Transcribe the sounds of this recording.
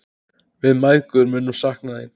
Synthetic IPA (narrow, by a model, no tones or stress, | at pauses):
vɪðmajðkʏɾmʏnːʏmsahknaðin